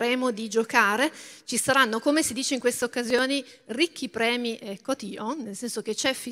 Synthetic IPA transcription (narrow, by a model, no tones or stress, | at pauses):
ɾɛːmod̪id͡ʒokaːɾet͡ʃisaɾanːokomesid̪iːt͡ʃeiŋkwest̪eokːazjoːni | rikʰːipɾɛːmiʔekːot̪iːonelsɛnsok̟et͡ʃɛfi